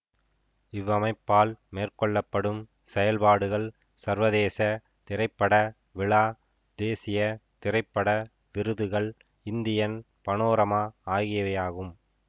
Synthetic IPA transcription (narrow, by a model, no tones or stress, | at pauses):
ɪʋɐmɐɪpːaːlmeːrkɔɭːɐpːɐɽɯm | sɛjɐlpaːɽɯɣɐɭ | sɐɾʋɐðeːsɐ | t̪ɪɾɐɪpːɐɽɐ | ʋɪɭaː | d̪eːsɪjɐt̪ɪɾɐɪpːɐɽɐ | ʋɪɾɯðɯɣɐɭ | ɪnd̪ɪjɐn | pɐnoːɾɐmaːaːɣɪjɐʋɐjaːɣɯm